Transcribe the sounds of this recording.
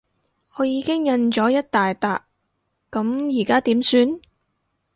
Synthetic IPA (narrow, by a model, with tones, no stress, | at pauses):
ʔɔː˨˧jiː˨˧kɪ˥ŋjɐ˧nt͡ʃɔː˨˥jɐ˥t̚t̪aː˨jt̪a̰ː˨kː | ɐ˨˧˥mjiː˨˩kaː˥t̪iː˨˥msyː˧n